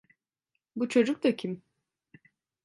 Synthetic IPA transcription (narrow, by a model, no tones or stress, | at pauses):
but͡ʃʰo̞d͡ʒuk̚t̪acʰim